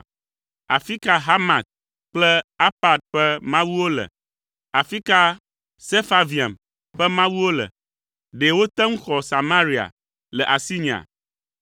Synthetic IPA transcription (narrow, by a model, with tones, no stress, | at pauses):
a̰˨fi˦ka˨ɦa˦mã˨t̪̚ | k͡plɛ˦a˦pa˨d̪̚ɸɛ˦mã˦wu˦wo˦lɛ̰˨ | a˨fi˦ka˦ | se˦fa˦vi˨a̰˨m | ɸɛ˦mã˦wu˦wo˦lɛ̰˨ | ɖe˨wo˦t̪ɛ˦ŋ̩˦xɔ˨sa˨mã˦ɾi˨a̰˨ | lɛ˨ʔa˨si˦ɲ˨a̰˨